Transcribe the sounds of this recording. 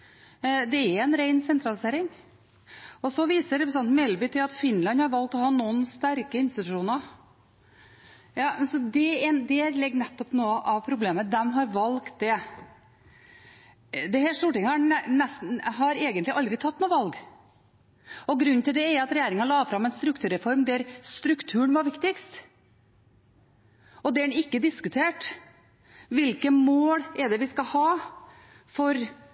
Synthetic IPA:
d̪ɛɛɾɛnɾæɪnsɛnt̪ɾɑlɪseːɾɪŋ | ɔsɔʋiːsəɾɛpɾəs̬ɑnt̪mɛlbɪt̪ʰɪlɑt̪fɪnlɑnhɑɾʋɑlk̚t̪ɔhɑːnunst̪æɾkəɪnst̪ɪt̪ʉʂuːnɑ | jɑːsɔd̪ɛɛd̪ɛlɛɡːnɛt̪ːɔpnoːʔɑʋpʰɾʊbleːməd̪ɛmɦɑɾʋɑlkt̪̚d̪ɛ | d̪ɛhɛːlst̪uːʈɪŋəhɑɛst̪ɦɑɾeːɡənt̪lɪʔɑld̪ɾɪt̪ʰɑt̪ːnuːʋɑlɡ | ɔɡɾʉnnt̪ʰɪld̪ɛɛɾɑt̪ɾɛjeːɾɪŋɑlɑːfɾɑmɛnst̪ɾʉkt̪ʰʉːɾɛfɔɾmd̪æɾst̪ɾʉkt̪ʰʉːəɳʋɑɾʋɪkt̪ɪkst̪ | ɔd̪ɛæɖɛnɪkːəd̪ɪskʉt̪ʰeːʈ | ʋɪlkəmoːlɛɖɛʋɪskɑhɑː | fɔɾ

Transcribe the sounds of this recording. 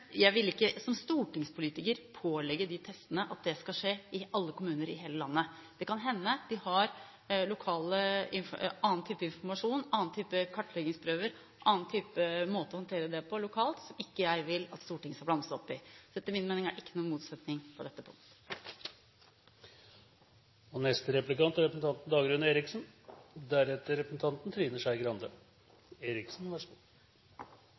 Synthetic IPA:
jæɪʋɪlɪkːəsɔmst̪uːʈɪŋspʰʊliːt̪ɪkəɾpʰoːlɛɡəd̪ɪt̪ʰɛst̪ənəʔɑt̪̚d̪ɛskɑʂeːɪʔɑlːəkʊmʉːnəɾɪ̰ɦeːləlɑnːə | d̪̥ɛkɑnɦɛnːəd̪̥ɪhɑɾ | lʊkʰɑːləɪnɑːnt̪ʰyːpəɪnfɔɾmɑʂuːnɑːnt̪ʰyːpəkʰɑʈːlɛɡɪŋspʰɾøːʋəɾ | ʔɑːnt̪ʰyːpəmoːt̪əɔhɑnt̪ʰeːɾəd̪ɛpʰɔlʊkʰɑːlt̪sɔmɪkːəjæɪʋɪlɑt̪st̪uːʈʰɪŋəskɑlblɑnsəɔpːɪsɔɛt̪ːəɾmɪnmeːnɪŋæɾʔɪkːənuːnmuːt̪sɛt̪nɪŋpʰɔd̪ɛt̪ːəpʰʊ̰ŋt̪ə | ɔnɛst̪əɾɛplɪkɑnt̪ɾɛpɾəsn̩t̪ɑnt̪n̩d̪ɑːɡɾʉnəeːɾɪksnd̪æɾɛt̪əɾɛpɾəsn̩t̪ʰɑnt̪n̩t̪ʰɾiːnəʂæɪɡɾɑnd̪ə | eːɾɪksn̩ʋæʂ

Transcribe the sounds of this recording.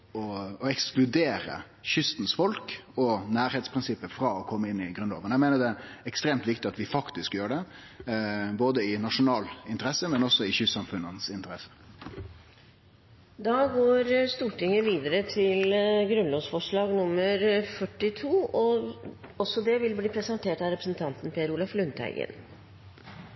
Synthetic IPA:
ɔɔɛksklʉd̪eːɾə̰ | çʏst̪nsfɔlkɔnæːɾheːt̪spɾɪnsɪpːəfɾɑɔkʰɔmːəɪnːɪɡɾʉno̰ːʋənæɪmeɪnədɛɛkst̪ɾeːmt̪ʋɪkt̪ɪɑt̪ʋɪfɑkt̪ɪskjøːəɖɛ | boːd̪əɪnɑʂʊnɑːlɪnt̪əɾɛsəmɛnɔsːɔɪçʏsɑmfʉnːənsɪnt̪əɾɛsə̥ | d̪ɑːɡoːɾst̪uːʈɪŋːəʋiːd̪əɾət̪ʰɪlɡɾʉnlɔːsfɔʂɭɑːɡnʊmːəɾfœʈːɪt̪ʰuːɔ | ɔsɔd̪ɛʋɪlbliːpʰɾɛsənt̪ʰeːʈɑɾɛpɾəsnt̪ʰɑnt̪n̩pʰeːəɾuːlɑflʉnt̪ʰæ̰ɪɡə̰n

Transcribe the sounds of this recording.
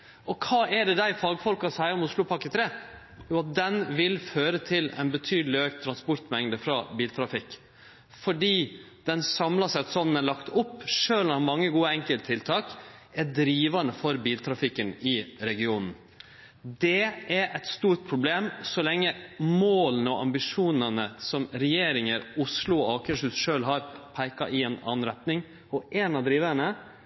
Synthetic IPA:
ɔkʰɑːæɖɛd̪æɪfɑːɡfɔlkɑɔsæɪəɾɔmʊslʊpʰɑkːət̪ʰɾeː | juːɑt̪̚d̪ɛnʋɪlføːɾət̪ʰɪlɛ̰ɪnbət̪ʰyːd̪lɪøːk̚t̪ʰːɾɑnspɔɾt̪mɛŋd̪əfɾɑbiːlt̪ʰɾɑfɪkː | fɔɖiː | d̪̥ɛnsɑmlɑsæɪɑt̪sɔmd̪ælɑkt̪ʊpːʂøːlɔnɑɾmɑŋːəɡuːəɛŋkəlt̪t̪ʰːɪlt̪ʰɑːkæd̪ɾiːʋɑnəfɔɾbiːlt̪ʰɾɑfɪkːənɪɾɛɡɪuːnn̩ | d̪ɛʔæɾʔɛt̪st̪uːʈ̚pʰɾʊbleːmsɔlɛŋːəmoːlənəɔʔɑ̰mbɪʂuːnənəsɔmɾɛjeːɾɪŋəɾʊslʊɔɑːkəʂʉsʂøːlɦɑɾpʰæɪkɑʔɪɛnɑ̰ːnɾɛt̪nɪŋ | ɔʔeːnɑd̪ɾiːʋəɾəɳə

